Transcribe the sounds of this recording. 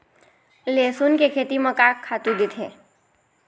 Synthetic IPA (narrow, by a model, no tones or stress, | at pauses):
lesunkekʰet̪imə̃kakʰːat̪ũd̪ɪt̪ʰɦe